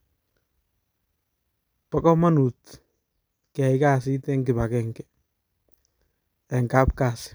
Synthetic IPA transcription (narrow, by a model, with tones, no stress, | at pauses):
pa˦kɔ˦ma˦nu˨t | kɛ˨ɪ˦ka˦s̬ɪ˦t̪ɛ˦ŋɡɪ˨ba˨kɛŋkɛ | ɛ˨ŋka˦pkaː˨sɪ̥